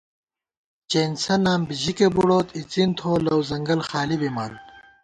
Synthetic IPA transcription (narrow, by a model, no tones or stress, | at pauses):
t͡ɕeːnsɐnaːmbiʑikebuɽoːt̪ʰit͡sint̪ʰoːlɐwzɐŋɡɐlxaːlibiman